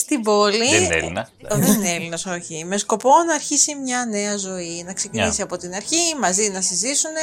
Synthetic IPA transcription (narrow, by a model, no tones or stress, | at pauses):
st̪ibo̞linḛlinɐ | ðeineelinɐso̞çime̞sko̞po̞nɐːɾçisimɲɐne̞ɐzo̞inɐkse̞cinisiɐpo̞t̪inɐɾçimɐzinɐsizisune